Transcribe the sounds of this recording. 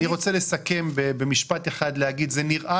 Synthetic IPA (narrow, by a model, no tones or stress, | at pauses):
iʁo̞t͡selesake̞mbebemiʃpat̪eχad̪lehaɡid̪zeniʁʔa